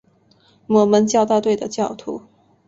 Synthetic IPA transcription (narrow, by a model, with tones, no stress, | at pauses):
mwɔ˧˥mə˧˥nt͡ɕjɑ˥˧ʊt̪a˥˧t̪we˥˩ɪd̪ə˩t͡ɕjɑ˥˩ʊt̪ʰṵ˧˥